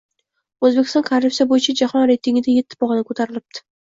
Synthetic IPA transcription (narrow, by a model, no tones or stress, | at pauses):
ɵzbekʲɪst̪ɒ̃nkʰaɾlɪpsijabojɪt͡ʃʰad͡ʒahɒnɾejt̪ɪŋɪd̪aje̞t̪ʰːɪ̥bɒʁɨnɪkʰɵt̪ʰaɾɪlɪp̚t̪ʰɪ̥